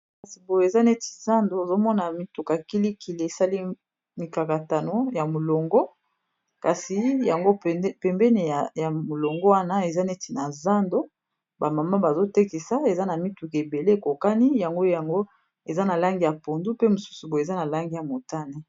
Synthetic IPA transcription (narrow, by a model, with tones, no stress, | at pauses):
ka˨si˨bo˨je˨za˦ne˦ti̥˨za˦ndo˨˦o˨zo˦mɔ˦na˨mi˦tu˨ka˨ki˦li˦kʰi˨le˨e˨sa˦li˦ | mi˨ka˨ka˨ta˨no˦ja˨mo˨lo˨ŋɡɔ˦ | ka˨si˨ja˨ŋɡo˦˨˦pɛ˨mbɛ˦ne˨ja˨mo˨lo˨ŋɡɔ˦wa˦na˦e˨za˦ne˦ti˨na˨za˦ndo˦ | ba˨ma˨ma˦ba˨zo˦te˦ki˨sa˦e˨za˦na˨mi˦tu˨ke˨be˨le˦e˨ko˨ka˦ni˦ja˨ŋɡo˦ja˨ŋɡo˦ | e˨za˦na˨la˦ŋɡi˨ja˨po˨ndu˦pe˦mu˨su̥˦su˨bo˨e˨za˦na˨la˦ŋɡi˨ja˨mo˨ta˦ni˦